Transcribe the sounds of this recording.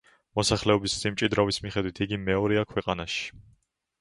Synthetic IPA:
mɔsaχlɛɔbissimt͡ʃʼid̪ɾavismiχɛd̪wit̪ʰiɡimɛɔɾɛakʰwɛqʼanaʃi̥

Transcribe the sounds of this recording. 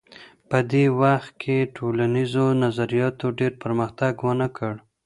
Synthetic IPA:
pəd̪ewaxt̪̚kʰeʈʰolanizonazaɾijɑt̪oɖeɾpəɾməxt̪aɡwənəkʰəɽ

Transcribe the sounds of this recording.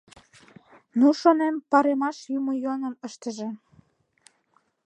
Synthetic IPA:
nuʃonempɑɾemɑʃjumojuɑnə̆nəʃt̪ə̆ʒĕ

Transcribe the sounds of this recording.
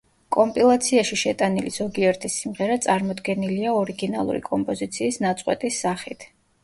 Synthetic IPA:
kʼɔmpʼilˠat̪sʰiaʃiʃɛt̪ʼaniliz̥ɔɡiɛɾt̪ʰisimʁɛɾat̪sʼaɾmɔd̪ɡɛniliaɔɾiɡina̰lˠṵɾḭkʼɔmpʼɔzit̪sʰiːsnat̪sʼqʼwɛ̰t̪ʼisːaχit̪ʰ

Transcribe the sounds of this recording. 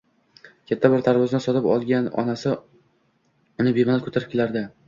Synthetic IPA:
kʲʰat̪ʰːabɪɾt̪ʰaɾvɒznɪsɒt̪ʰɪpɒ̰lˠɡʲanɒ̰nasɪ | ʊnɪbemanalkʰɵ̥t̪ʰaɾɪp̚kʲelaɾd̪ɪ

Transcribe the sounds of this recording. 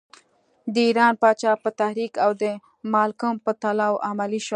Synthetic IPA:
d̪əiɾɑnpɑt͡ʃɑpət̪ahɾikawd̪ə | mɑlkumpət̪alɑwʔamaliʃo

